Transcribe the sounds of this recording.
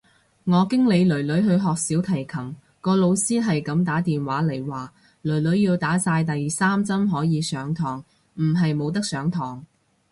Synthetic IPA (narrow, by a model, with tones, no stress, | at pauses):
ŋɔː˨˧kɪ˥ŋle˨˧jlɵ˨˩ɥlɵ˨˥ɥɦɵ˧ɥɦɔː˨k̚siː˨˥wt̪ʰɐ˨˩jkʰɐ˨˩m | kɔː˧lo˨˧wsiː˥ɦɐ˨jkɐ˨˥mt̪aː˨˥t̪iː˨nwaː˨˥lɐ˨˩jwaː˨ | lɵ˨˩ɥlɵ˨˥ɥjiː˧wt̪aː˨˥saː˧jt̪ɐ˨jsaː˥mt͡sɐ˥mɦɔː˨˥jiː˨˧sœː˨˥ŋt̪ʰɔː˨˩ŋ | m̩˨˩ɦɐ˨jmo˨˧wt̪̬ɐ˥k̚sœː˨˥ŋt̪ʰɔː˨˩ŋ